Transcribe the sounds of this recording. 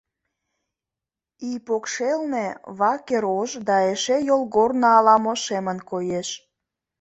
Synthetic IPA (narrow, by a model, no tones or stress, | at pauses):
ipokʃelneβɑkeɾoʒd̪ɑeʃejolˠɣornɑɑlɑmoʃemənkojeʃ